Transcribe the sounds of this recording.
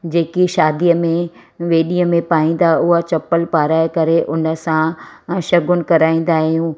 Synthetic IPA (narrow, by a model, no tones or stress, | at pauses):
d͡ʑeːkiʃaːd̪ijəmẽ | ʋeːɗiəmẽpaːĩːnd̪aʊɦat͡ɕɐpːəlpaːɾaːɪkɐɾeʔʊnə̆sãʃɐɡʊnɪ̆kɐɾaːĩːn̆d̪aːɦijũ